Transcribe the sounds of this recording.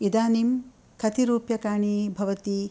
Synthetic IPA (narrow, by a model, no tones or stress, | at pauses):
id̪aːnim | kʰɐt̪iɾuːpjɐkaːɳibʱɐʋɐt̪i